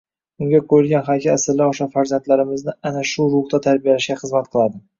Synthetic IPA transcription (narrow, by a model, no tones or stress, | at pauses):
ʊŋɡʲakʰɵlɡʲanχajkʲaasɪɾlaoʃafaɾzant̪laɾɪmɪznɪanaʃʊɾʊχd̪at̪ʰaɾbijalaʃɡʲaχɨzmat̪̚qʰɨlˠad̪ɪ